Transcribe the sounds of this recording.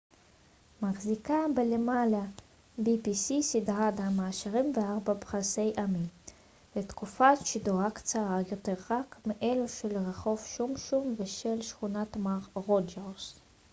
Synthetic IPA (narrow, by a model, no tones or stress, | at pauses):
maχzikabelemala | bipisisidʁad̪hamaːʃaʁimveaʁbabχase̞jʔamim | vet̪kufaʃiduakt͡saʁajo̞t̪e̞ʁːakmeʔeluʃelʁeχo̞vʃumʃumveʃelʃχunat̪maʁʁod͡ʒeʁs